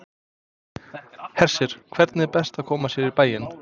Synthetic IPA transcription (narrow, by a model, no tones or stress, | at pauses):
hɛr̥sɪɾ̥kʰv̥ɛɾt̪nɪɛpɛst̪akʰɔːmasjɛɾipaːjɪn